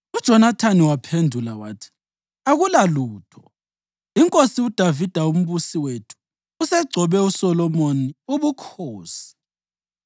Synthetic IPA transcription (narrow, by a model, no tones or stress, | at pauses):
ud̥ʒ̥ʱɔnatʰaniwapʰendʱulawaːtʰi̥ | aɣulaluːtʰɔ | iŋkʼosiud̥ʱavid̥ʱaum̩βusiwetʰu̥ː | sɛɡ͡ǀʱɔβɛusɔlɔmoniuβukʰoːsi̥